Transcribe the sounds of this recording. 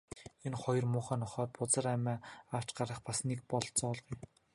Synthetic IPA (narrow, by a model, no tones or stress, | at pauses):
enχɔjɞ̆rmʊːχæːnɔχɔːt̪̚pʊt͡sə̆ræmæːaw̥t͡ɕɢaɾə̆χpasnek̚pɔɮt͡sɔːɮʁuj